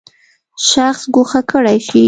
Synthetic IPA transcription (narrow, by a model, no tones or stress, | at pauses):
ʃaxsɡʊxakəɽajʃi